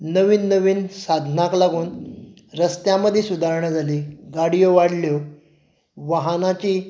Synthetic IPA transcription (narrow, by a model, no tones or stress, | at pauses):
nəʋiːnːəʋiːnsad̪ʱnaklaɡuːn | ɾəst̪jãməd̪ʱːjesud̪ʱaɾɳəd͡zʱaliːɡaɽijoʋaɽljo | ʋaɦanat͡ɕiː